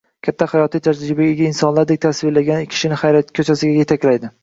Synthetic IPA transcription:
kʲʰat̪ʰːahajɒt̪ʰijt̪ʰad͡ʒɾɪbaeɡʲainsɒnlaɾd̪ek̚ʲt̪ʰasvɪlaɡʲankʲʰɪ̥ʃɪnɪχajɾat̪̚kʲʰɵt͡ʃʰasɪɡʲaje̞t̪ʰakʲlajd̪ɪ

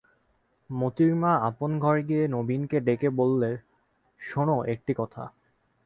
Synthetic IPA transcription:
mot̪iɾmaaponɡʱɔɾɡienobinkeɖekebolːeɾ | ʃoñoʔek̚ʈikɔt̪ʰa̰

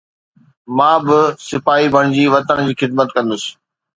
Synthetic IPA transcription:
mãːbɪsɪfaːɦibʱəɽ̃d͡ʑiːʋɐt̪əñd͡ʑiːxɪd̪̚mət̪kɐ̃nd̪ʊsɪ̥

